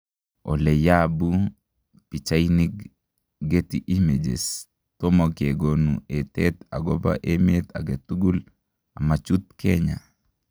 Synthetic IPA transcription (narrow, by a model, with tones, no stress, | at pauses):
ɔ̰˨le˨jabu˦ | pi˨t͡ʃaini | ɡe˦tiʔi˦me˨d͡ʒḛs | t̪o˦mɔke˨ɡonṵe˨t̪ɛt̪a˨ɡɔ˦ba̰ʔemet̪a̰˨ɡe˨t̪uɡu˦l | a˨ma˨t͡ʃu˦t̪̚ke˦ɲa˨